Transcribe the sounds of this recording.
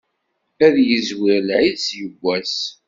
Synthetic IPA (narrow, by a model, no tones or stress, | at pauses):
æðjəzwəɾlʕiðsjəɡʷːæs